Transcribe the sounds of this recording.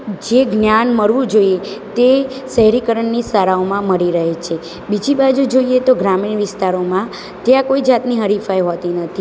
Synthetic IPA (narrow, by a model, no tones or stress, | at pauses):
d͡ʒeɡnjanməɾʋũd͡ʒoiet̪e | səɦɾikəɾəɳːisaɾaomãməɾiɾəɦet͡ʃʰe | bid͡ʒibad͡ʒud͡ʒoiet̪oɡɾamiɳʋɪst̪aɾomã | t̪jãkoid͡ʒat̪niɦəɾifajɦot̪inət̪ʰi